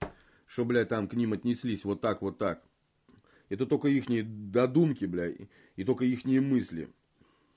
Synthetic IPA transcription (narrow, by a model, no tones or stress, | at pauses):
ʂt̪oblʲæt̪amknʲimɐt̪ʲnʲɪsʲlʲisʲvo̞t̪ːakvo̞t̪ːak | ɛt̪ət̪okəixnʲɪjəd̪ɐd̪umkʲɪblʲa | it̪okəixnʲɪjəmɨsʲlʲɪ̰